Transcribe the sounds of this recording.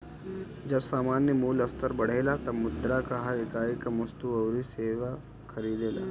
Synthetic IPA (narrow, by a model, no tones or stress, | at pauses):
d͡ʒɐbsaːmaːnjəmuːlɐst̪əɾbɐɽ̤eːlat̪ɐmʊd̪ɾakaɦaɪkaːikamɐst̪uɐwɾiseːʋa | kʰɐɾiːd̪eːla̰ː